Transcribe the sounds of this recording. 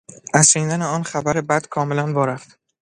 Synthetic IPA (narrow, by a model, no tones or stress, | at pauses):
ʔæssiːnd̪æneɒːnxæbæɾebæd̪̥kʰɒːme̞lænvɒːɾæft̪